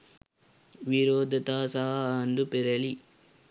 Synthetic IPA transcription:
ʋiɾoːd̪ɐt̪aːsaːaːnd̪ɯpɪɾɐli

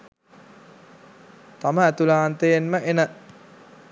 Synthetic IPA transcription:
t̪aməæt̪ulaːnt̪əjenməʔenə

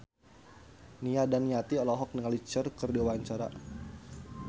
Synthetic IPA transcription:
niadanːiat̪iɔlɔɦɔk̚nəŋalit͡ʃərkərdiawaɲt͡ʃaɾa̰

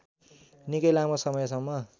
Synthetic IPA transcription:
nikʌjlamosʌmʌjsʌŋːʌ

